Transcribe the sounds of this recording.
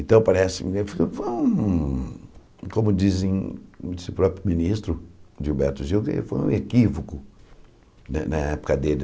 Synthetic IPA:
ẽt̪ɐ̃w̃paɾɛsɪfkefojũ | kõmʊd͡ʒizẽd͡ʒisɪʊpɾɔpɾjʊminist̪ɾʊʒiubɛɾt̪ʊʒiwkḛfo̰jṵ̃ekivokʊ | nɐnɐɛpʊ̥kɐd̪elɪ

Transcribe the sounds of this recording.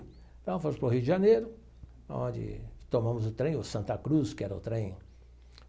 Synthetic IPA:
t̪ɐ̃w̃fõmʊspɾʊɦiud͡ʒɪʒɐnejɾʊ | aõ̰nd͡ʒɪ̰t̪omɐ̃mʊzʊt̪ɾẽj̃ʊsɐ̃nt̪ɐkɾuskɪɛɾɐʊ̰t̪ɾẽj̃

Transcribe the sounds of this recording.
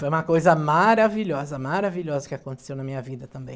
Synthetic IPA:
fojũmɐkojzɐmaɾaviʎɔzɐmaɾaviʎɔzɐkɪakõnt̪e̥sewnɐmĩɲɐvid̪ɐt̪ɐ̃mbḛ̃j̃

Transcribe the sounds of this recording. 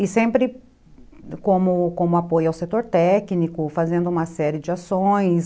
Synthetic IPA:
ɪsẽmpɾɪ | kõmʊkõmʊapojʊawset̪oɾt̪ɛknikʊfazẽnd̪ʊũmɐsɛɾɪd͡ʒɪasõj̃s

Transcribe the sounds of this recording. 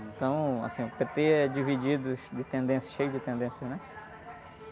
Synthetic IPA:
ẽt̪ɐ̃w̃a̰sĩʊpet̪eɛd͡ʒivid͡ʒid̪ʊsd̪ɪt̪ẽnd̪ẽsjɐ̥ʃejʊd͡ʒɪt̪ẽnd̪ẽsjɐnɛ

